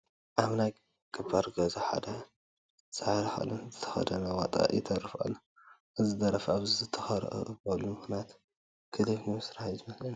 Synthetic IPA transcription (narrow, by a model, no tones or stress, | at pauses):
ʔaβnaj | kʼɨbaɾɡɐzaħa̰d̪ɐ | z̥aʕɾɐxɐ̰lɐnzɨt̪ʰɐ̥xɐ̰d̪ɐnɐwat̪ʼa̰jɛt̪ʰɐrɨfa̰lːo | ʔɨzɨd̪ɐɾɐfaβzizɨt̪ʰɐ̥xɐɾʔɨ̰ʔɨbɐlːumɨxnat̪ | kʰɨliβnimɨsɾahajzɨmɐslɐn